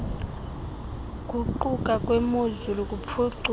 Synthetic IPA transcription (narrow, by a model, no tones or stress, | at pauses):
kʼuǃukʼakʼwemuzulukʼup̪fʰuǀ